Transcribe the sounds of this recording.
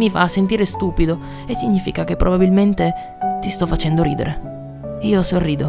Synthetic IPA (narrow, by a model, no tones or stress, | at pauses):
mifa̰ːsːent̪̬iːɾest̪uːpid̪o | esːiɲːiːfikak̟epːɾʔobabilment̪e | t̪ist̪ɔfːat͡ʃɛnd̪oɾḭːd̪ḛɾʔe | iːosorːiːd̪o